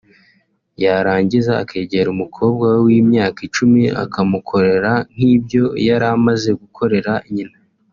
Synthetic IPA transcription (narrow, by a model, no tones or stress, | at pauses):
jaɾaːɲɟiza̰ːkʰeːɟeɾumukʰo̞ːb̚ɡawwimɲaːkit͡ʃumiʔa̰kʰamukʰo̞ɾe̞ɾan̥iːbjo̞jaɾamaze̞ɡukʰo̞ɾe̞ɾaiɲina